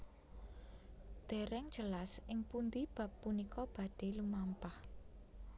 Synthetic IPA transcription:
d̪̥e̤ɾɛŋ̥d͡ʒəlasɪŋpund̪ib̥ä̤pːunikɔb̥ä̤ɖ̥e̤lumampah

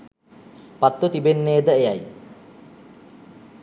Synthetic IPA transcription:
pat̪ːot̪ibenːeːd̪əejaj

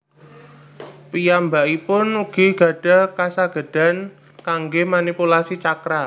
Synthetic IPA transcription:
pijambaʔipʊnuɡ̥i̤ɡ̥a̤ɖ̥a̤kasaɡ̥ə̤ɖ̥a̤n | kaŋɡemanipulasit͡ʃakɾa

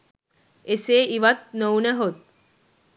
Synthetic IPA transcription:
eseiʋət̪̚nəwneɦot̪̚

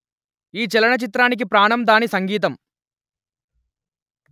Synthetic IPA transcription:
iːt͡ʃɛlɐɳɐt͡ʃit̪ɾaːnik̬ipɾaːɳɐmd̪aːnisɐŋɡiːt̪̬ɐm

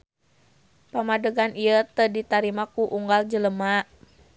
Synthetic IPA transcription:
pamadəɡanijət̪ədit̪aɾimakuʔuŋɡald͡ʒələma

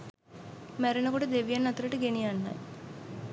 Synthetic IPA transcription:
mæɾenəkoʈəd̪eʋijanːat̪uɾəʈəɡenijanːa̰j

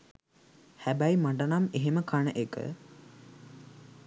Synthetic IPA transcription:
hæbæjmaɳɖanameɦeməkanəʔekə̰

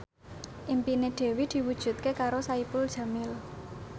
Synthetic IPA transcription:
ʔimpineɖ̪̥e̤wid̪̥i̤wud̥ʒ̥ṳt̪̚kekaɾosaipʊld̥ʒ̥a̤mɪl

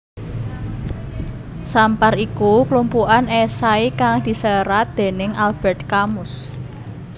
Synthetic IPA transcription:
samparikuklumpuʔanesaikaŋd̪̥i̤səɾat̪̚d̪̥e̤nɪŋʔalb̥ɛ̤rt̪̚kamʊs

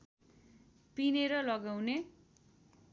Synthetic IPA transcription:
pineɾʌlʌɡawne

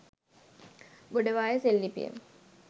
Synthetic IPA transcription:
ɡoɖəʋaːjəselːipḭjə̰m

